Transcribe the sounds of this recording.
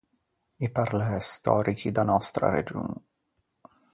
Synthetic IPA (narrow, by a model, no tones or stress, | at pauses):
iparlɛst̪ɔːɾikid̪anɔst̪ɾa̰ɾḛd͡ʒṵːn